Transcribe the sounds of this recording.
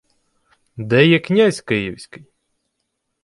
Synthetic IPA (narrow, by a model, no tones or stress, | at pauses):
d̪ɛjɛknʲasʲkɪjiwsʲkɪj